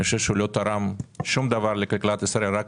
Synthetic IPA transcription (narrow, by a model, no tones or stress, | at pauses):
oʃeʃlot̪aɾamʃumd̪avaɾlekalklat̪ɪsaɾelɾak